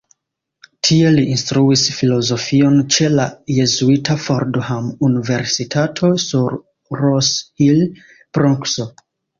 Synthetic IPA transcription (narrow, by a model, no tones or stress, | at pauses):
tʰie̞liinstɾuisfilo̞zo̞fio̞nt͡ʃe̞laje̞zuitʰafoɾdohamunive̞ɾsitʰatʰo̞suɾː | oshil | pɾoŋkso